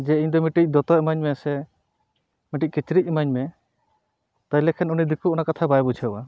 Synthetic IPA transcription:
d͡ʒɛiɲd̪ɔmiʈic̚ˀd̪ɔt̪ɔmaɲmɛsɛ | miʈic̚ˀkit͡ʃɾic̚ˀmaɲmɛ | t̪ajlɛkʰɛnunid̪ikuɔnakat̪ʰabajbut͡ʃʰɛba

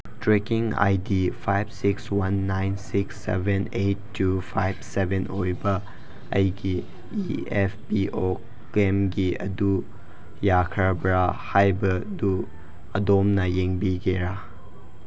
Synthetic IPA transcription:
tɾekiŋa̰jdipʰajbsikswanːajnsiksːḛbenejtːupʰajbsebenʔojbɐ | ɐ̰jɡi | ieppiʔo | kemɡiɐ̰du | jakʰɾabɾahajbɐdu | ɐdomnɐjeŋbiɡeɾa

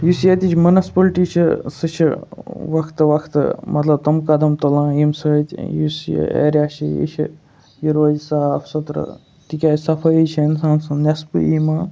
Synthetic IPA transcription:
jusjet̪it͡ʃʰmɐnɐspɐlʈiːt͡ʃʰisɨt͡ʃʰiʋɐkʰt̪ɨʋɐkʰt̪ɨ̰mɐt̪lɐb̚t̪ɐmkɐd̪ɐmt̪ɐlãːjimsəːt̪ʲjisj̰ḛːɾʲjaːʃʰijḭt͡ʃʰi | jiɾoːzsaːpʰsɐt̪ɾɐ̰ | t̪ikʲaːjsɐpʰɐit͡ʃʰɐinsaːnsɐnʲɐspɨ̰imaː

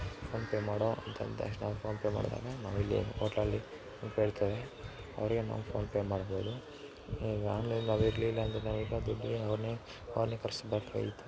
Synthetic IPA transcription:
pʰoːnpeːmaːɽoʔɐnt̪ɐ̰nt̪eɐ̰ʂʈnaːʋpʰoːnpeːma̰ːɽt̪a̰ːnenaːʋilːiḛoːʈalːi | peːɽt̪ɐʋe | ɐ̰ʋɾiɡena̰ːʋupʰoːnpeːmaːɽboːd̪u | iːɡaːnlenaːʋiɾliːlːɐːnd̪ɾenaːʋilːɐd̪ɔɖːieɐʋɐɾne | ɐʋɾneːkɐɾsbɐɾk̪ʋḛit̪ːu

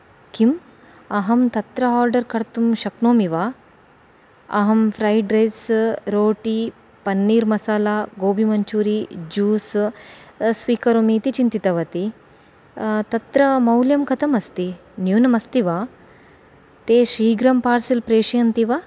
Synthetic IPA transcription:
kim | ɐɦɐmt̪ɐt̪ɾɐaːɾɖɐɾkɐɾt̪umʃɐknoːmiʋaː | ɐ̰ɦɐmfʰɾaːjɖɾesɾoːʈiː | pɐnːiːɾmɐsaːlaɡoːbʱimɐɲt͡ʃuːɾid͡ʒuːs | sʋiːkɐɾomiːt̪it͡ʃint̪it̪ɐʋɐt̪i | t̪ɐt̪ɾɐmɐwljɐmkɐt̪ʰɐmɐst̪injuːnɐmɐst̪iʋaː | t̪eːʃiːɡɾɐmpaːɾsɐlpɾeːʃɐjɐnt̪iʋaː

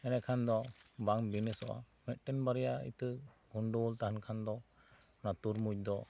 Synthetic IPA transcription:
ɛnɛkʰand̪ɔbaŋbinɛsɔʔa̰ | mɛt̪̚ˀʈɛnbaɾɛjaḭt̪ə | ɡʱuɳɖolt̪aɦankʰand̪ɔ | nat̪uɾmuc̚d̪ɔ

